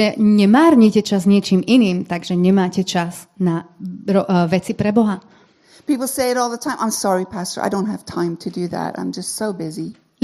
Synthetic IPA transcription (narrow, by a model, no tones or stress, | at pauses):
ɛɲɛmaːɾɲicɛt͡ʃazɲɪɛt͡ʃiːminiːmt̪aɡʒɛɲɛmaːcɛt͡ʃaz | naɾɔʋɛt͡sipɾɛbɔɦa | pipl̩ˠseɪɨɾɔlˠðətʰãɪ̃mãɪ̃msɑɹipʰæstə˞a̰ɪɾõʊ̃nt̚həv̥tʰãɪ̃mtʰɨdɨðæ̰tã̰ɪ̃md͡ʒʌstsoʊbɪzi